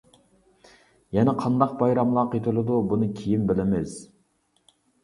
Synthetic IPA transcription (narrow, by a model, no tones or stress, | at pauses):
jɛnɛqʰɑnd̪ɑq̚bɑjɾɑmlˠɑqet̪ʰɪlɨd̪ubunɨkʲʰijimbɪlɪmɪz̥